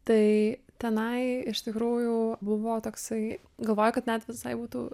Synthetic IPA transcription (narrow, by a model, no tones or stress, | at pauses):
t̪ɐɪt̪ʲɛnɐɪɪʃt̪ʲɪkɾuːjubʊʋoːt̪oːksɐɪ | ɡɐlˠʋoːjɛkɐt̪nʲɛt̪ʋʲɪsɐɪbuːt̪ṵː